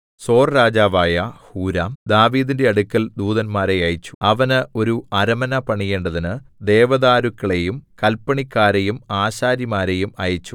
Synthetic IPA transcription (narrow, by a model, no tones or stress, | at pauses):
so̞ːrɾaːd͡ʑaːʋaːjɐhuːɾaːmd̪aːʋiːðinde̞ɐɽukːɐld̪uːðɐnmaːɾeɐjit͡ɕːu̥ɐʋɐnɨo̞ɾuɐɾɐmɐnɐpɐɳije̞ːɳɖɐðinɨd̪eːʋɐðaːɾukːɐɭe̞jumkɐlpːɐɳikːaːɾejumaːɕaːɾjɐmaːɾe̞jumɐjit͡ɕːu̥